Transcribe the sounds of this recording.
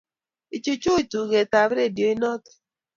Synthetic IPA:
i˨t͡ʃu˨t͡ʃu˦i˨tu˨ɣe˨ta˨βɾe˦˨djo˨i˦nɔ˦tɛ̥˨

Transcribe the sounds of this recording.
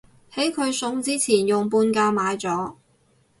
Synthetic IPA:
he˨˥jkʰɵ˨˧ɥsʊ˧ŋt͡siː˥t͡sʰiː˨˩njʊ˨ŋpuː˧nkaː˧maː˨˧jt͡sɔː˨˥

